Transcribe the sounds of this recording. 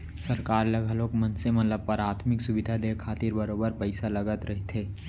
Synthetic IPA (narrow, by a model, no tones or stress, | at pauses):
sɐɾkaːɾləɡʱəloːkmɐnsemɐt̪ləb̚pəɾaːt̪ʰmɪksʊʋɪd̪ʱad̪ekʰaːt̪iɾbəɾoːbəɾpəɪsalɐɡət̪ɾɐɦet̪ʰɦeː